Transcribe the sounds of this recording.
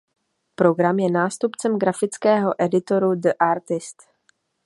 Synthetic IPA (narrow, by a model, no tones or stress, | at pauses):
pɾo̞ɡɾamjɛnaːst̪upt͡sɛmɡɾafɪt͡skɛːɦo̞ʔɛdɪt̪o̞ɾudəʔaɾt̪ɪst̪